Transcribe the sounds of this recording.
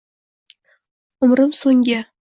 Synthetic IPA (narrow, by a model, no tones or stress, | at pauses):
ʊmɾəmsoŋɡʲa